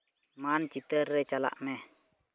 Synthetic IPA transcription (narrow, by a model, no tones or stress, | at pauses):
mant͡ʃit̪ərːet͡ʃala̰ʔmɛh